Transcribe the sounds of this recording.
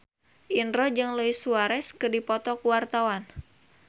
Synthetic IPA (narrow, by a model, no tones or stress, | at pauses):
ʔinrɔd͡ʒɨŋloisuaɾɛskɨrdipɔt̪ɔkuwart̪awan